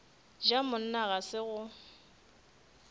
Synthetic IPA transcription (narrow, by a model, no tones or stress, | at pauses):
d͡ʒamʊn̩naɣasɪɣʊ